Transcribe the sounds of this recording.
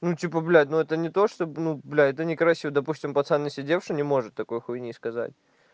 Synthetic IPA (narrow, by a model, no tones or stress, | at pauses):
nutʲipəblʲanuɛt̪ənʲɪt̪o̞ʂt̪onublʲæɛt̪ənʲɪkɾɐsʲivəd̪ɐpusʲtʲɪmpɐt̪sanːʲɪsʲɪdʲefʂɨnʲɪmo̞ʐɨt̪ːɐko̞jxujnʲiskɐza̰tʲ